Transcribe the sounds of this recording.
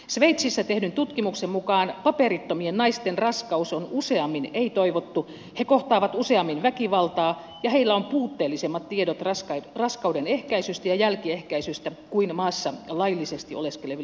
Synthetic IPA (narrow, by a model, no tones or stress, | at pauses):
sʋeit̪sisːæt̪ehnynt̪ut̪kimuksemmukɑːnpɑperit̪ːomiennɑist̪enrɑskɑusonuseɑmːineit̪oiʋot̪ːu | hekoht̪ɑːʋɑt̪useɑmːinʋækiʋɑlt̪ɑː | jɑheilːæompuːt̪ːeːlːisemːɑt̪t̪iedot̪rɑskɑrɑskɑuwdenehkæisyst̪æjɑjælkiehkæisyst̪ækuinmɑːsːɑlɑilːisest̪ioleskeleʋ